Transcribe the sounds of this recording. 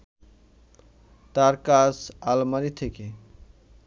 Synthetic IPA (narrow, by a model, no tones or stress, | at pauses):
t̪aɾkasalməɾit̪ʰeke